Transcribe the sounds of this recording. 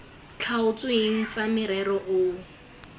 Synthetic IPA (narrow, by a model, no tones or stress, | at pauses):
t͡ɬʰaʊt͡sʊeŋ̩t͡samɪɾɛɾɔʔʊ